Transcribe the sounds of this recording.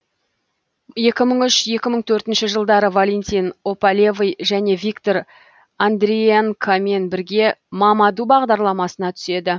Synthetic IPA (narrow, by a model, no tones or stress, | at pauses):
je̞kʲɪməɴʏʃje̞kʲɪməɴt̪ʰɵɾt̪ɪnʃɪʒəlˠd̪ɑɾəvolʲent̪ʲijno̞palʲevijʒæne̞vʲikt̪o̞ɾ | and̪ɾijaŋkʰame̞nbɪɾɡʲe̞mɑmɑd̪ubɑʁd̪ɑɾlˠɑmɑsənɑt̪ʰʏ̥se̞d̪ɪ